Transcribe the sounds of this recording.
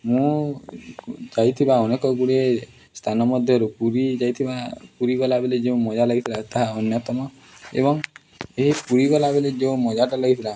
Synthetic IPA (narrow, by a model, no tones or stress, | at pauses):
mũ | d͡ʒajt̪ʰibaɔnekɔɡuɽie | st̪ʰanɔmɔd̪ʱjɔɾupuɾid͡ʒajt̪ʰibapuɾiɡɔlabeled͡ʒeũmɔd͡ʒalɔɡit̪ʰilat̪aɦaɔnjɔt̪ɔmɔ | ḛbɔŋ | eɦipuɾiɡɔlabeled͡ʒeũmɔd͡ʒaʈalɔɡit̪ʰila